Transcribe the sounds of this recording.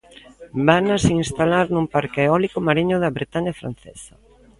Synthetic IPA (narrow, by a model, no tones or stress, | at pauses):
banasinst̪alaɾnumpaɾkeeɔlikʊmaɾiɲʊðɐβɾet̪aɲafɾa̰n̟θɛ̰sɐ̥